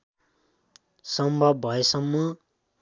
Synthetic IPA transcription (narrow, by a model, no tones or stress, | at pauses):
sʌmbʱʌbbʱʌesʌmːʌ